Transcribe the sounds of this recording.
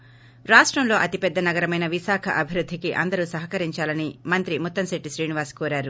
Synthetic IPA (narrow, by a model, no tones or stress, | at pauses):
ɾaːʂʈɾɐmlo̞ːʔɐt̪ipɛd̪ːɐnɐɡɐɾɐmɐjnɐʋiʃaːkʰɐʔɐbʱiɾud̪ʱːikiʔɐ̰nd̪ɐɾuːsɐɦɐkɐɾiɲt͡ʃaːlɐnimɐnt̪ɾimut̪ːɐmsiʈːiʃɾiːniʋaːskoːɾaːɾu